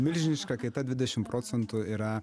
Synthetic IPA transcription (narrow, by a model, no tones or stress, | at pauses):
mʲɪlʲʒʲɪnʲɪʃkɐkɐɪt̪ɐd̪ʲʋʲɪd̪ʲɛʃʲɪmpɾoːtsʲɛnt̪ʊiɾɐ